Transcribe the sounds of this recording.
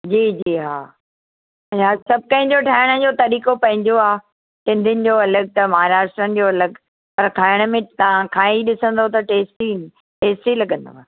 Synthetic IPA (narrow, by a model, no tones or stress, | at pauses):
d͡ʑiːd͡ʑiːɦaː | ɦasɐb̚ʱkɐ̃ɦɪ̃ɲ̆d͡ʑoʈʰaːɪɽ̃əd͡ʑot̪ɐɾiːkopɐ̃ɦɪ̃ɲd͡ʑoaː | ʈɪ̃nd̪ʱɪnɪ̆d͡ʑoɐləɡ̚t̪ɐmɐɦaːɾaːʃʈɾənɪ̆d͡ʑoɐləɡ | pɐɾkʰaːɪɽ̃əmẽt̪ɐʋãkʰãːiɗɪsə̃nd̪ot̪ɐʈeːsʈi | ʈeːsʈilɐɡə̃nd̪o̰aː